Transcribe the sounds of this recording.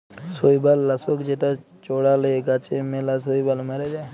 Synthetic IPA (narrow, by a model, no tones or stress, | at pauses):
soːibalːasokd͡ʒeʈa | t͡ʃoːɽaleeɡat͡ʃemelasoːibalməɾed͡ʒa